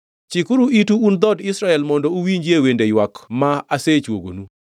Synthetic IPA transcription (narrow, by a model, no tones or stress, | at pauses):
t͡ʃikʊɾuʔituːnd̪ɔdɪsɾaɛlmɔndɔuwiɲd͡ʒjewendejwakmaaset͡ʃwo̰ɡo̰nu